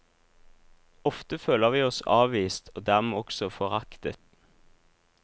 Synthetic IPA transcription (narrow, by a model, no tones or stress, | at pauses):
ɔft̪əføːləʁʋiːɔsɑ̰ːʋʋiːst̪ʰoːd̪æːʁmeːɔksɔfɔʁɑkt̪ət̪